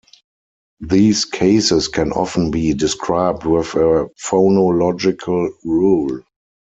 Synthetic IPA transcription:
ðiːskʰeɪsɪskʰɛ̃nʔɔ̰fən̩biːdɪskʰɹaɪb̚dwɪðəfonolɔd͡ʒɪkʰəlɹuːl

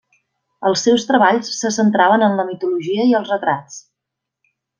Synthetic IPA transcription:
əlˠsːɛwst̪ɾəβaʎsːəsənt̪ɾaβənənləmit̪uluʒiəiəlˠzrət̪ɾat͡s

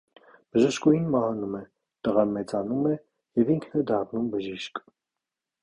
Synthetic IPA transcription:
b̥əʒəʃkujinmɑhɑnumɛ | t̪əʁɑnmɛt͡sɑnumɛ | jɛviŋkʰnɛd̪ɑrnumbəʒiʃk

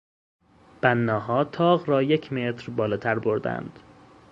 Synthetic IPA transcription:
b̥ænːɒːɦɒːt̪ʰɒːɣɾɒːje̞cʰmet̪ʰɾbɒːlɒːt̪ʰæɾboɾd̪æ̰nd̪̥

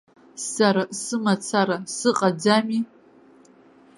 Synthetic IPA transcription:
saɾasɨmat͡sʰaɾasɨqʼad͡zami

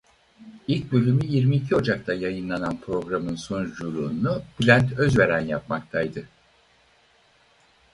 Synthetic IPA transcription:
ilʲc̚ʲbølʲymyjiɾmiːcʰio̞d͡ʒak̚t̪ʰajajɯnlˠananpʰɾo̞ɡɾamɯnsond͡ʒuɾˠuːnublʲænt̪ʰø̞zve̞ɾænjap̚makt̪ʰajd̪ɯ

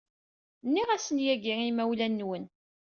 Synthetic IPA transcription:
nːiʁæsənjæɡiŋimæwlænːwən

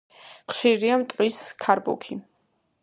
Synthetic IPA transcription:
χʃiɾiamt̪ʼqʼwiskʰaɾbṵkʰi

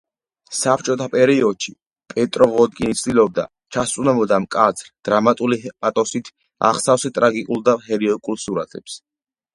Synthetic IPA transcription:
sapʰt͡ʃʼɔt̪ʰapʼɛɾiɔd̪̥ʃi | pʼɛt̪ʼɾɔʁɔd̪̚ɡʼinit̪sʰd̪ilɔb̚d̪a̰ | t͡ʃʰast̪ʼunɛmɔd̪amkʼat̪sʰɾd̪̥ɾamat̪ʼulipʼat̪ʼɔsit̪ʰ | a̰χsafsɛt̪ʼɾaɡikʼulˠd̪aɦɛɾiɔkʼulˠsuɾa̰t̪ʰɛps

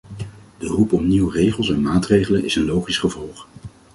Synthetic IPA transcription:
d̥ərupɔmniwrejχəlˠsɛnmaːtrejχələnɪ̰sənlowχisχəvɔlˠχ

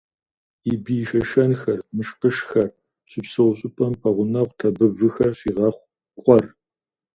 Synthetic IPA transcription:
ibiːʃɐʃɐnxɐrmɨʃqəʃxɐr | ɕʼɪpsɨʁʷʊɕʼɪpʼɐmpʰɐʁʷʊnɐʁʷtʰɐbɨvɨxɐrɕiːʁɐχʷ | kʷʼɔr

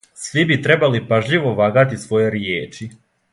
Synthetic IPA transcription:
sʋibit̪ɾe̞balipaʒʎiʋoʋaːɡat̪isʋo̞je̞ɾjeːt͡ʃi

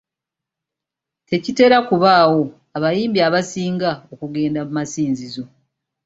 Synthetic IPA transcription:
te̞cite̞ːɾakuβaːwo̞ | aβajiːmbiaβasiːŋɡaokuɡe̞ːndamumasiːnzizo̞

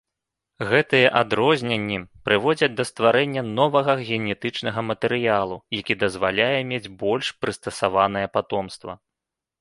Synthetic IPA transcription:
ɣɛt̪ɨjɛʔad̪ɾɔzʲnʲɛnʲːipɾɨvɔd͡zʲɐd͡zʲd̪ɐst̪vaɾɛnʲːɐnɔvɐɣɐɣʲɛnʲɛt̪ɨt͡ʂnɐɣɐmɐt̪ɛɾɨjalˠujakʲid̪ɐzvalʲajɛmʲed͡zʲbɔlʲʂpɾɨst̪ɐsavanɨjɐpat̪ɔmst̪vɐ̰

